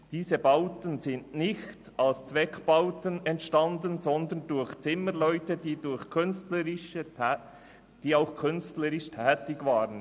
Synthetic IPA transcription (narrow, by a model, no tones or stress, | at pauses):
d̥iːzəbaʊtənzɪndnɪçtɑlst͡svɛkb̥aʊtənɛntʃtɑndənzɔnd̪əndʊɾçt͡sɪməlœʏtədiːdʊɾçkʰʏnstləɾɪʃə | d̥iːaʊxkʰʏnstləɾɪʃtʰɛːtɪɡvaːɾən